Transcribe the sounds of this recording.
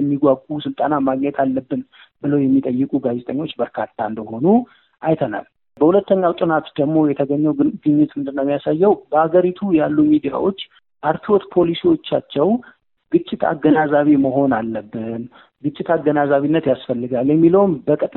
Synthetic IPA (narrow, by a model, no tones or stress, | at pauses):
ɛmːiɡʷaɡʼusɨlt̪ʼanamaɡɲɛt̪ʰalːəbːɨn | bɨləwjɛmːit̪ʼəjːɨkʼuɡazɛt̪ʼəɲːo̞t͡ʃːbəɾkʰat̪ʰːaɨnd̪əho̞nu | ʔajt̪ʰəna̰l | bəhulət̪ːəɲːawt͡ʃ̪ʼɨnat̪d̪əɡmo̞jɛt̪ʰəɡəɲːɛwɡɨɲːɪt̪ɨnd̪ɨnːəwmːjasajːɛwbəhaɡəɾit̪ʰujalːumid̪ija̰wo̞t͡ʃː | ʔaɾt̪ʰiwot̪pʰo̞lisiwo̞t͡ʃːat͡ʃːɛw | ɡɨt͡ʃʼːɪt̪ʰa̰ɡənazaβiməɦo̞nalːəbːɨn | ɡɨt͡ʃʼːɪt̪ʰaɡənazaβinːət̪jasfəlːɨɡaljɛmːiləwmbəkʼɨt̪ʼ